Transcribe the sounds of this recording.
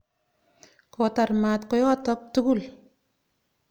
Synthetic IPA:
kɔta˨rmat̪kɔ˦jɔ˦tɔ˦k̚tu˦kul

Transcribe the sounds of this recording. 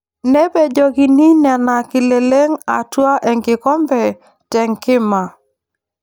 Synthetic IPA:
nɛ˦be˨d͡ʒo˨ɡi˨ni˦nɛ˨na˨kɪ˨le˨le˦ŋa̰˨twa˦ʔɛ˨ŋɡɪ˨kɔ˦mbɛ˨ | tɛ˨ŋkɪ˦ma˨

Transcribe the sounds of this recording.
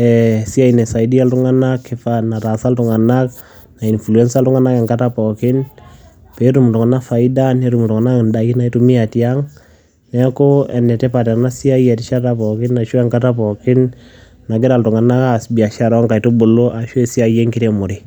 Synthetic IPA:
ɛsi˦a˦inɛ˨sa˨idi˦a˦ltʊ˦ŋa˦na˦kːɪ˨fa˦na˨ɾa˨sa˦ltʊ˨ŋa˨na˦k̚ | na˨i˨nflu˨ɛ˦nsa˦ltʊ˦ŋa˦na˦kɛ˨ŋka˦ta˦pɔ˨kɪ˦n | pɛ˨˦ɾu˨mu˨tʊ˨ŋa˨na˦fa˨i˦da˦ne˨˦ɾu˨m˨tʊ˨ŋa˨na˦knda˨i˦na˨i˦tu˦mi˦a˨tja˦ŋ | nɛ˦ko˦ɛ˨nɛ˨tɛ˦pa˨tɛ˨ɾna˦si˦a˦jɛ˨tɪ˦ʃa˦ta˦pɔ˨kɪ˦nːa˨ʃo˦ɛ˨ŋka˦ta˦pɔ˨kɪ˦n | na˨ɡɪ˦ɾa˨ltʊ˨ŋa˨na˦ka˦sbi˨a˨ʃa˦ɾɔ˦ŋka˨ito˦bʊ˨lo˦ʔa˨ʃo˦ɛ˨si˦a˨jɛ˦ŋkɪ˦ɾe˨mʊ˨ɾɪ

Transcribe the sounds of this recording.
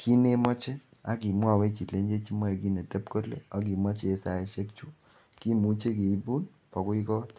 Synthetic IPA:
kʰi˦ne˦mɔ˦t͡ʃe˦ | a˦ki˨mwɔ˦˨wɛ˦t͡ʃi˨tle˨˦ɲd͡ʒe˦t͡ʃi˦mɔ˦e˨ki˦ne˨tɛ˦pko˦lḛ˦ɔ˦k̬i˨mɔ˦t͡ʃe˨˦sa˨e˨ʃe˦k̚t͡ʃu˦ | ki˦mu˦t͡ʃe˦ke˨i˦bu˦n | pɔ˨kʊ˦i˦kɔ˦t

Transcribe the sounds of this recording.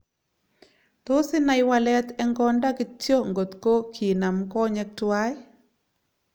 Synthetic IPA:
t̪o˦sɪ˦na˦jwa˦lɛ˦t̪ɛ˦ŋɡɔ˦nda˦kɪ˦t͡ʃjo˦ŋɡo˨t̪ko˦kʰi˨na˨mkɔ˦ɲɛ˦k̚twa˦j

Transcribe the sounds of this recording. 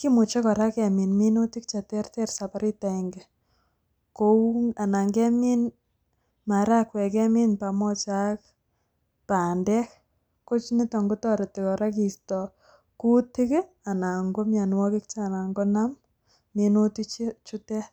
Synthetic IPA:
ki˦mʊ˨t͡ʃɛ˦kɔ˨ɾa˦kɛ˨mi˨nmi˦nu˦ti˦k̚t͡ʃa˨tɛrtɛ˦rsa˨paɾi˦ta˨ɛ˨ŋɡe˨ | koa˨na˨ŋɡɛ˦mi˦n | ma˨ɾa˦kwɛ˨kɛ˦mi˦npa˨mɔ˦t͡ʃa˦k̚ | pa˨ndɛ˦k | ko˦t͡ʃini˦tɔ˨ŋɡu˦tɔ˦ɾe˨tɪkɔ˨ɾa˦ki˨stɔ | ku˦ti˦k | a˨na˨ŋɡo˦mja˨n˦wɔ˦kɪ˦kt͡ʃana˨ŋɡɔnam | mi˦nu˦tit͡ʃt͡ʃutɛ˦

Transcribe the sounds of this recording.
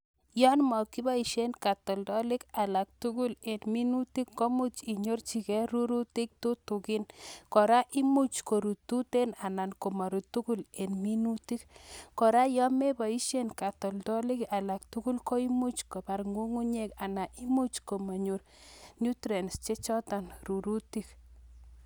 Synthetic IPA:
jɔ˦nmɔ˨kːi˦ba˦i˨ʃe˦nka˨tɔ˨ldɔ˦lɪ˦ka˨la˨k̚tu˦ku˦le˨nmi˦nu˦ti˦kːo˦mu˦t͡ʃi˨ɲo˦rt͡ʃi˨kɛ˦ɾu˦ɾu˦ti˦k̚tu˦tu˨ki˦nkɔ˨ɾa˦ʔi˦mu˦t͡ʃko˨ɾu˨tu˦te˦na˨na˨nko˨ma˨ɾu˨tu˦ku˦le˨nmi˦nuti˦kkɔ˨ɾa˦jɔ˦me˦ba˨i˦ʃe˦nka˨tɔ˨ldɔ˦lɪ˦ka˨la˨k̚tuku˦lko˦i˦mu˦t͡ʃko˨ba˨ɾŋu˦ŋu˦ɲe˦ka˨na˨ʔi˦mu˦t͡ʃko˨ma˨ɲo˨ɾ | nu˦tɾe˨nst͡ʃe˦t͡ʃɔ˦ta˨nru˨ɾu˦ti˦k

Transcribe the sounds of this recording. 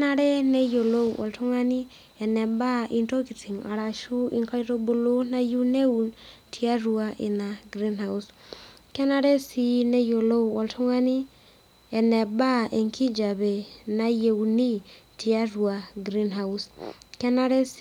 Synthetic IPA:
na˦ɾɛ˦nɛ˦jo˨lo˦ʔɔ̰˨ltʰo˦ŋa˦ni˦ | ɛ˨nɛ˨ba˦ʔi˦nto˦ki˨t͡si˨ŋa̰˨ɾa˨ʃu˦i˦ŋka˦i˦ɾo˦bo˨lo˦na˦ju˦ne˦u˨ntʰi˦a˦ɾua˨ʔi˨na˨ɡɾi˦nhaus | kɛ˦na˦ɾe˦si˦nɛ˦jo˨lo˦ɔ˨ltʰo˦ŋa˦ni˦ | ɛ˨nɛ˨ba˦ʔe˨ŋkʰi˦d͡ʒa˨βɛ˨na˦je˨uni˦tʰi˨a˦ɾwa˨ɡɾi˦nɦa˦uskɛ˦naɾe˦s

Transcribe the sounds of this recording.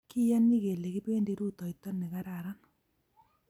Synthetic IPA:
kɪ˦ja˦nːi˦ɣe˨le˨kɪ˦be˦nde˦ɾu˦t̪ɔ˨ɪ˨t̪ɔ˦nːɪ˨ɣa˦ɾa˨ɾa˦n

